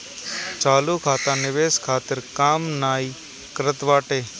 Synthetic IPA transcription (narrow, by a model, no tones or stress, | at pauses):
t͡ʃaːluːkʰaːt̪ãːnɪʋeːskʰaːt̪ɪɾkaːmnaːi | kəɾət̪ʋaːʈeː